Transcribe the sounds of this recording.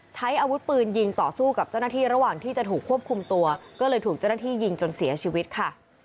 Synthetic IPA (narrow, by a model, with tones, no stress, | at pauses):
t͡ɕʰa˦˥jʔaː˧wu˦˥t̪̚pɯː˧nji˧ŋt̪ɔː˨˩suː˥˩ka˨˩p̚t͡ɕa˥˩wnaː˥˩t̪ʰiː˥˩ɾa˧˦waː˨˩ŋt̪ʰiː˥˩t͡ɕa˨˩t̪ʰuː˨˩kʰːu˥˩əp̚kʰu˧mt̪u˧ɐkɔː˥˩lɤː˧jt̪ʰuː˨˩k̚t͡ɕa˥˩na˥t̪ʰiː˥˩ji˧ŋt͡ɕo˧nsi˨˩˦ɐt͡ɕʰiː˧wi˦˥t̪̚kʰa˥˩